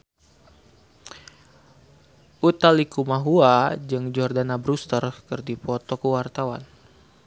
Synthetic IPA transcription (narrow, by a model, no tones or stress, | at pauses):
ʔut̪alikumaɦuad͡ʒɨŋd͡ʒɔrdanabɾust̪ərkɨrdipɔt̪ɔkəwart̪awa̰n